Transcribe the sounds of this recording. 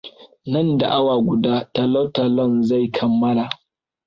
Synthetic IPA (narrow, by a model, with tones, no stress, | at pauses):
nɐ˦˨nda̰˨ʔa˦waː˨ɡʷʊ˨daː˦ta˨lɔ˦ta˨lɔ˦˨nza˦˨jkʰɐ˨mːɐ˦laː˨